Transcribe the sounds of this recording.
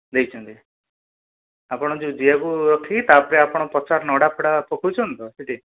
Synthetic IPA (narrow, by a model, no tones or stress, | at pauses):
d̪ejt͡ʃʰɔnt̪i | apɔɽ̃ɔd͡ʒud͡ʒiakuɾɔkʰit̪apɔɾeapɔɽ̃ɔpɔt͡ʃaɾnɔɽapʰɔɽapɔkʰut͡ʃʰɔnt̪ɔseʈi